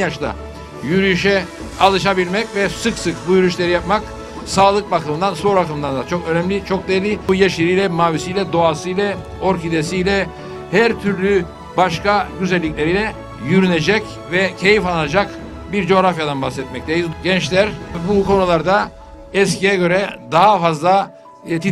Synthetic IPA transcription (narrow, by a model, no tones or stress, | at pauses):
injaʃlˠa̰ | jyɾyʃɛ | alˠɯʃabilʲmɛcvɛsɯksɯkbujyɾyʃlʲe̞ɾijap̚mak | saːlˠɯkbakɯmɯnd̪ansoɾakɯmɯd̪and̪at͡ʃʰkø̞nɛmlʲit͡ʃʰo̞k̚d̪eɾlʲiujeʃiɾijlʲɛmaːvisijlʲɛd̪o̞asɯjlʲɛ | o̞ɾkid̪esijlʲɛ | hæɾt̪ʰyɾlʲy | baʃkaɟyzɛlʲːicʲlʲeɾilʲɛ | jyɾyned͡ʒɛc | vɛcʰe̞jifanad͡ʒak | biɾd͡ʒo̞ɣɾafjad̪anbaxsɛt̪̚mɛc̚t̪ʰejizɟɛnt͡ʃlʲæɾbukʰo̞nulˠaɾd̪a | ɛscijɛɟø̞ɾɛd̪aɦafazlˠa | t̪ʰi